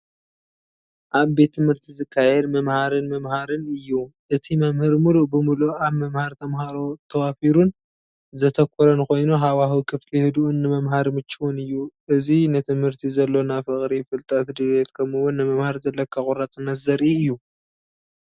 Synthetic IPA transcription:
ʔaβbe̞t̪ʰːɨmhɨɾt̪ʰizɨkʰːajɛd̪mɐmhaɾɨnmɐmhaɾɨnɨjːuʔɨt̪ʰimɐmhɨɾmuluʔbɨmuluaβmɐmhaɾt̪ʰɐmɦaɾo̞t̪ʰɐwafiɾun | zɐt̪ʰɐkʰʷːoɾɐnkʰo̞jnuɦawaɦukʰɨflihɨd̪uʔunːɨmɐmɦaɾmɨt͡ʃːiwunɨjːuʔɨzinɨt̪ʰɨmhɨɾt̪ʰizɐlːo̞nafɨχʼɾifɨlt̪ʼat̪d̪ɨβet̪kʰɐmɨwʊnːɨmɐmhaɾzɐlːɐkʰːaχʼʊɾat͡sʼɨnːɐt̪zɐɾʔiɨjːu

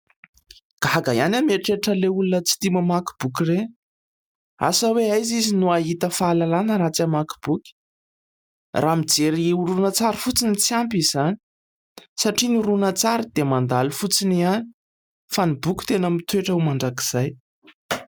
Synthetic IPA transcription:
ɡ̥aɦɡa̰janʲameʈ͡ʂeʈ͡ʂəleulunət͡si̥t̪iməmaki̥b̥ukʲire | a̰səweajzizinuaɦit̪əfaːlalanəɾat͡siamaki̥b̥ukʲ | ramid͡zeɾiuɾunət͡saɾifut͡sinit͡siampiz̥ani̥ | saʈ͡ʂinuɾunət͡saɾid̪̥emand̪alufut͡siniani̥ | fanibukʲu̥t̪enəmit̪ueʈ͡ʂəumaɳɖ͡ʐaki̥z̥aj

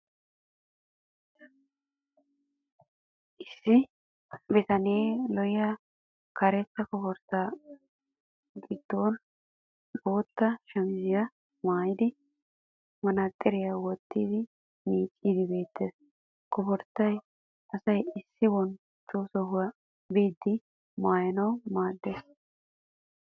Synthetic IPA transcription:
ʔɪsːɪ | bɛt̪ɐneːlɔjɪja | kɐɾɛt͡sːɐkɔpɔɾt̪ːa | ɡɪd̪̥ːoːn | bo̞ːt̪ːɐʃɐmɪzɪjɐ | maːjɪd̪ɪ | mɐnɐt̪ʼːɛɾɪjawɔt̪ːiːd̪ɪ | miːt͡ʃʼːiːd̪ɪbe̞ːt̪ːeːs | kɔpɔɾt̪ːɐj | ɐsɐjɪsːɪbɔn | t͡ʃːoːsɔhʊwɐ | biːd̪ːɪ | maːjɐnɐwmaːd̪ːeːs

